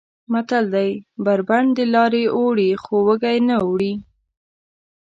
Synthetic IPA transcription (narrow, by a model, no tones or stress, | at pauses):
mat̪ald̪ajbaɾbaɳd̪əlɑɾeoɽixowəɡajnaowɽi